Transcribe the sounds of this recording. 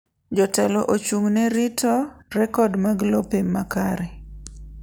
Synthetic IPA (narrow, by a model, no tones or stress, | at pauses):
d͡ʒɔtɛlɔʔot͡ʃuŋnɛɾɪtʰɔrɛkɔdmaɡlɔpemːakaɾɛ